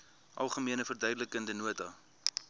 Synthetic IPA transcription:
ʔɐ̰lˠχəmiənəfərdœɥdələkəndənuətɐ

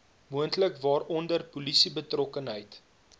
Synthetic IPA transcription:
muəntləkvɑːrɔndərpulisibətrɔkənɦəjt

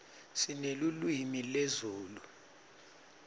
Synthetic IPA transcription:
sinelulwimilezuːlu

